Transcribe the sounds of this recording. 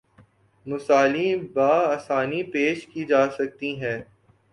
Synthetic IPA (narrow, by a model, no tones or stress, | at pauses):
mʊsaːlibaːaːsaːnipeːʃkid͡ʒaːsɐk̚t̪iɦɛ̃ː